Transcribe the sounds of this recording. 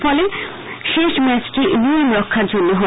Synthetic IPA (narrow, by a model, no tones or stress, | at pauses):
fɔle | ʃeʃmɛt͡ɕʈiniimɾɔkʰːaɾd͡ʑonːoɦɔ